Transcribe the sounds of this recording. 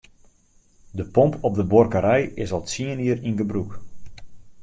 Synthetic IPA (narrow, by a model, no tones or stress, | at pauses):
dəpɔmpɔp̚dəbɔrkəɾɛjɪsɔlˠtsiəniəɾinɡəbruk